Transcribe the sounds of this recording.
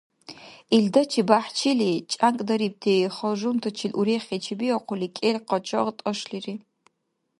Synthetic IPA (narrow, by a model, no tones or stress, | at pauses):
iɮdɐt͡ʃʰibaːħt͡ʃʰiliːt͡ʃʼaŋkʼdɐɾiːb̚tʰeːχɐʒumtʰɨt͡ʃʰɪlʔuɾeːχʲet͡ʃʰɪbiɐqʷʊliːkʼeɮqɐt͡ʃʼɐʁtʼɐʃɬiriː